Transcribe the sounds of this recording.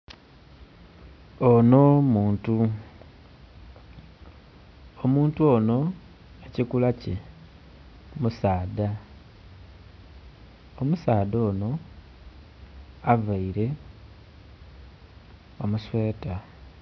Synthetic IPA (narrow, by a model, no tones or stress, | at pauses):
ono̞muːntu | omuːntuo̞no̞ | ecikulace | musaːda | omusaːdo̞ːno̞ | avaiɾe̞ | omuswe̞ːta